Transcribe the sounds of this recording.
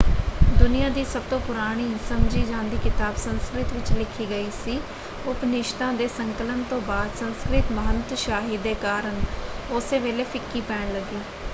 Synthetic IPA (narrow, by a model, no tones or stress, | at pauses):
d̪ʊnijãːd̪iːsət̪õːpʊɾaːɽ̃iːsəmd͡ʒiːd͡ʒãːnd̪iːkɪt̪aːbsənskɾɪt̪ʋɪt͡ʃlɪkʰiːɡəiːsiː | ʊpnɪʃt̪ãːd̪eːsəŋkələnt̪õːbaːd̪sə̃nskɾɪt̪məɦənt̪ʃaːɦiːd̪eːkaːɾəɳ | ʊseːʋeːleːpʰɪkːiːpɛːɳləɡiː